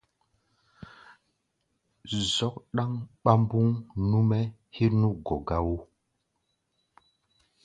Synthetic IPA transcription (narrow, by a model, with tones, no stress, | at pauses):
zɔ˦k̚ɗa˦ŋɓa˦mbu˦ŋnu˦mɛ˦ | he˦nu˦ɡɔ˨ɡa˦wo˦